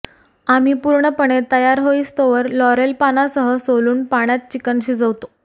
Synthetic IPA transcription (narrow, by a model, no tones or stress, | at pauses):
am̤iːpuɾɳəpəɳ̃et̪əjaɾɦoist̪oʋəɾlɔɾelpanasəɦəsoluːnpaɽ̃jat̪̚t͡ɕikənɕiːd͡zəʋt̪o̥